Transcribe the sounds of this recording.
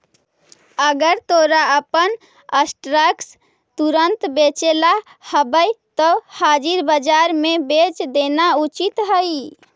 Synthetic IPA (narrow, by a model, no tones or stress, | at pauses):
əɡəɾt̪oɾaəpən | əsʈɾəks | t̪uɾənt̪bet͡ʃela | həbəjt̪ɔhad͡ʒiɾbəd͡ʒaɾmebet͡ʃd̪enaut͡ʃit̪ɦəj